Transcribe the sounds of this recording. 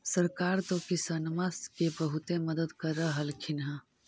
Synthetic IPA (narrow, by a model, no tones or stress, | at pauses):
səɾkaɾt̪okisənməskebəɦut̪eməd̪əd̪kəɾəɦəlkʰinɦə̃